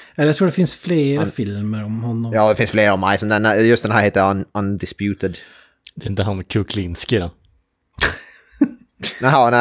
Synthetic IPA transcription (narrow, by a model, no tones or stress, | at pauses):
ɛləjat̪ɾuːɖɛfɪnsfleːɾəfɪlməɾɔmhɔnːɔmjɑːd̪ɛfɪnsfleːɾəɔmaɪsɔmd̪ɛnjɵst̪d̪ɛnæːɾheːt̪ənand̪ɪspjʉːt̪əd̪ | d̪ɛɾɪnt̪əɦankʰʉkʰlɪnskɪɾɔ | næɪɦanæ